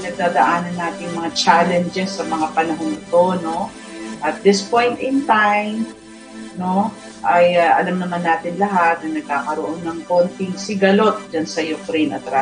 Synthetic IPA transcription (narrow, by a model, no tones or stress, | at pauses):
nɐɡ̚d̪aːd̪ɐʔaːnɐnːaːt̪ɪŋmɐŋat͡ʃalɛnd͡ʒɛsːɐmɐŋapɐnɐɦonɪt̪o̞no̞ | ʔɐt̪̚d̪ɪspo̞jnt̪ɪnt̪ajm | no̞ | ʔɐjaʔɐlamnɐmanːaːt̪ɪnlɐɦat̪̚nɐnɐɡ̚kaːkɐɾoʔo̞nːɐŋko̞nt̪ɪŋsɪɡɐlo̞t̪̚d͡ʒansɐjʊfɾinɐ̰t̪ɾa